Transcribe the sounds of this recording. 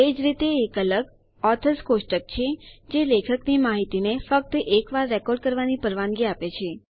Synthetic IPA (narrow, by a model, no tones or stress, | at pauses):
ed͡ʒɾit̪eːkələɡ | ɔt̪ʰəskosʈək̚t͡ʃʰed͡ʒelekʰəknimaɦit̪inefək̚t̪əʔekʋaɾːɛkɔɾɖkəɾʋanipəɾʋãŋɡiapet͡ʃʰe